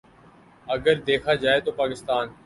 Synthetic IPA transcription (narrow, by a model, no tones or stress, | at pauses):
ɐɡəɾd̪eːkʰaːd͡ʒaːet̪opaːkɪst̪aːn